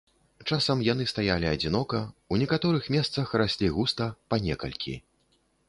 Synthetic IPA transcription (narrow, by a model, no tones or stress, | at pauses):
t͡ʂasɐmjan̪ɨst̪ajalʲiɐd͡zʲin̪ɔkɐunʲɛkat̪ɔɾɨxmʲɛst̪sɐxrasʲlʲiɣust̪ɐpanʲɛkɐ̰lʲkʲʰḭ